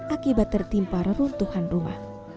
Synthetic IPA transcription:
ʔakibat̪ːərt̪impaɾəɾunt̪uhanruma̰h

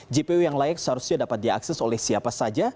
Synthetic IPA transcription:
d͡ʒepeujaŋlajɛk̚səɦaɾusɲadapat̪̚dia̰ksɛsolɛhsiapasad͡ʒa

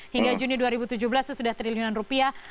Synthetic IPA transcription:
hiŋɡad͡ʒuniduaɾibut̪ud͡ʒuhbəlasəsudaht̪ɾiliunanrupia

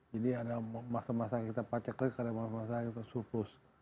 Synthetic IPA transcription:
d͡ʒadiadamasamasakit̪apat͡ʃakakadamasamasakit̪asupʊs

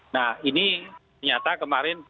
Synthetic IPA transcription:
nahinitərɲat̪akəmaɾɪn

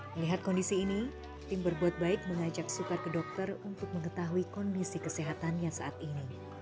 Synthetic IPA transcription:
məliɦat̪̚kɔndisiːni | t̪ɪmbərbuat̪̚baɪk̚məŋad͡ʒak̚sukarkədɔk̚t̪ərunt̪ʊk̚məŋət̪aɦuikɔndisikəseɦat̪anjasa̰ʔat̪ini

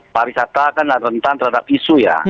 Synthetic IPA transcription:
paɾisat̪akanlarənt̪ant̪əɾhadap̚isuja̰

